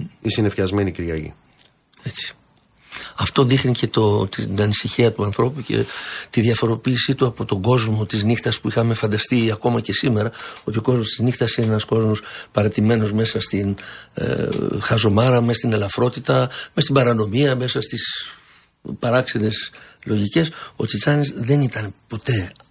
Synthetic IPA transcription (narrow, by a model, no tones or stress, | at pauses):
isinefçɐzmeniciɾʝɐʝḭ | e̞t͡si̥ | ɐft̪o̞ðixnice̞t̪ot̪iɐnisiçiɐt̪uɐnθɾo̞puce̞̰t̪iðiɐfo̞ɾo̞piːsit̪uɐpot̪o̞ɡo̞zmo̞t̪iznixt̪ɐspuixɐme̞fɐnd̪ɐst̪iɐko̞mɐce̞sime̞ɾɐo̞t̪io̞ko̞zmo̞st̪iznixt̪ɐsineenɐsko̞zmo̞spɐɾɐt̪ime̞no̞zme̞sɐst̪in̰ | xɐzo̞mɐɾɐmesɐst̪ine̞lɐfɾo̞t̪it̪ɐmest̪ibɐɾɐno̞miɐme̞sɐst̪is | pɐɾɐksiðe̞slo̞ʝice̞so̞̰t͡sit͡sɐnizðe̞nit̪ɐnpo̞t̪e̞